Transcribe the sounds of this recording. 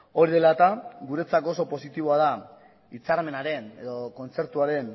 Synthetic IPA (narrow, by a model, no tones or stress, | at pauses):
o̞ɾiðe̞lat̪aɡuɾe̞t͡sako̞so̞po̞sit̪iβo̞að̞a | it͡saɾme̞naɾe̞ne̞ðo̞ko̞nt͡se̞ɾt̪uaɾe̞n